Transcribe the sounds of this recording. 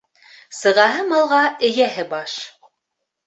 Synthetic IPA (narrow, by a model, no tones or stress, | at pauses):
sɤ̆ʁɑɦɤmɑlˠʁɑɘ̆jæɦɘbɑʃ